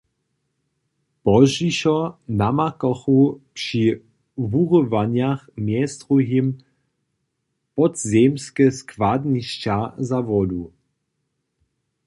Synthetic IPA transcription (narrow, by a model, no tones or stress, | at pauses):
pɔʒiɕɔnamakɔxupʂi | vuʁɔvaɲjaxmjɛst̪ʁuɦim | pɔtzɛmskɛskvadniɕt͡ɕazavɔd̪u